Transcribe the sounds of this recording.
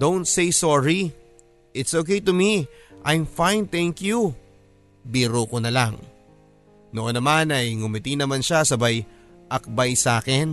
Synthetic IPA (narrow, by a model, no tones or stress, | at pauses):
d̪õwnt̪sejsɔɹi | ʔɪt̪soːkejt̪umiʔajmfãjnt̪ɛ̃ŋkju | biɾokonɐlaŋ | noʔonːɐmanɐjŋʊmɪt̪inɐmanʃasɐbaj | ʔɐk̚bajsaːkɛn